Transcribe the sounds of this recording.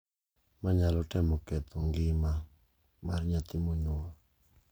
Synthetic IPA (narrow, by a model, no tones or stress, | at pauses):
maɲalɔtɛmɔkɛt̪ʰɔŋɡɪma | marɲat̪ɪmoɲoa